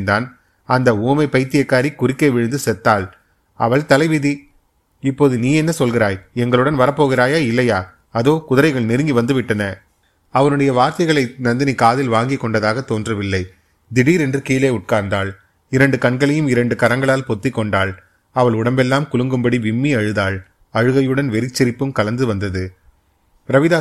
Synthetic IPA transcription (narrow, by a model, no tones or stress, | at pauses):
nd̪aːn | ɐnd̪ɐuːmɐɪpɐɪt̪ːɪjɐkːaːɾikːʊrɪkːɐʋɪɻɯnd̪ɯsɛt̪ːaːɭ | ɐʋɐɭt̪ɐlɐɪʋɪði | ɪpːoːðɯniːɛnːɐsɔlɣɪɾaːjɛŋɡɐɭɯɽɐnʋɐɾɐpːoːɣɪɾaːjaːɪlːɐjaː | ɐðoːkʊðɐɾɐɪɣɐɭnɪɾɯŋɡiʋɐnd̪ɯʋɪʈːɐnɐ | ɐʋɐnɯɽɐjɐʋaːɾt̪ɐɪɣɐɭɐɪnɐnd̪ɐnikːaːðɪlʋaːŋɡɪkːɔɳɖɐðaːɣɐt̪ːoːndrɐʋɪlːɐɪ | d̪ɪɽiːɾɛndrɯkiːleːʊʈ̚kaːɾnd̪aːɭ | ɪɾɐɳɖɯkɐɳɡɐɭɛjɯmɪɾɐɳɖɯkɐɾɐŋɡɐɭaːlpɔt̪ːɪkːɔɳɖaːɭ | ɐʋɐɭʊɽɐmbɛlːaːmkʊɭɯŋɡɯmbɐɽiʋɪmːiɐɻɯðaːɭ | ɐɻɯɣɐjɯɽɐnʋɛɾɪt͡ʃːɪɾɪpːɯmkɐlɐnd̪ɯʋɐnd̪ɐðɯ | pɾɐʋɪðaː